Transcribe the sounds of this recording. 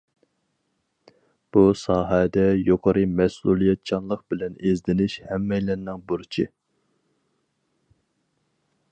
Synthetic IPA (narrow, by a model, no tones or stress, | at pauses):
b̥usɑːɦɛd̪ɛjoqʰɑɾɨmɛsulˠijɛt̪̚t͡ʃʰɑnlˠəqbɪlɛnezd̪ɪnɪʃhɛmːɛjlɛnnːɪŋboɾt͡ʃʰi